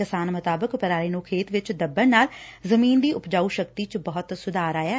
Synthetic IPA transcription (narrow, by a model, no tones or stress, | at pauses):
ɪsaːnmʊt̪aːbəkpəɾaːɾeːnũːkʰeːt̪ʋɪt͡ʃd̪əbəɾnaːlzəmiːnd̪iːʔʊpd͡ʒaːuːʃəkt̪iːt͡ʃbɔːʊt̪sʊd̪aːɾaːjaː